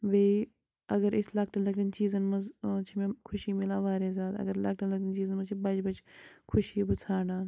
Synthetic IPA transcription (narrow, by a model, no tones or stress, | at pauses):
ʋei | ɐɡɐɾɪslɐk̚ʈɐlɐkʈɐnt͡ʃiːzɐnmɐzt͡ʃʰimẽkʰʊʃiːmɪlãːʋaːɾeːzaːt̪ɐ̰ɡɐɾlɐk̚ʈɐlɐk̚ʈənt͡ʃiːzɐnmɐt͡ʃʰibɐd͡ʒbɐt͡ʃʰkʰʊʃiːbɨt͡sʰaːɖaːn